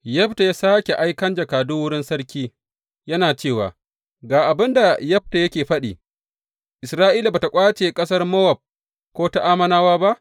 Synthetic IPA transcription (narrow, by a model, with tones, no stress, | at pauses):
jɐ˦ɸta˨jaː˦saː˦kʲe˨ʔa˦jkɐ˦nd͡ʒɐ˨kaː˨dʊ˦wʊ˦ɽɪ˦nsɐ˦ɽkʲiː˦ | jɐ˦naː˨t͡ʃeː˦˨wa̰ː˨ | ɡaː˨ʔa˨bɪ˦nda˨jɐ˦b̚ta˨jɐ˦kʲeː˨ɸɐ˦ɗḭː˨ | ʔɪ˨sɾaː˦ʔiː˦la˨baː˨ta˨kʷʼaː˦t͡ʃeː˨kʼɐ˦sɐ˦rmɐ˦wɐ˨b̚ | kʷoː˦ta˦ʔaː˦mɐ˦naː˦waː˦ba˦ʔ